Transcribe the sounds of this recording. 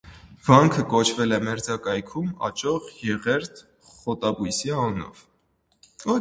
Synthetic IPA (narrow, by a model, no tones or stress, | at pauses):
v̥ɑŋkʰəkɔt͡ʃʰvɛlɛmɛɾd͡zɑkɑjkʰumɑ̰t͡ʃɔʁjɛʁɛɾt̪ʰ | χɔt̪ɑbujsiɑnnɔ̰v̥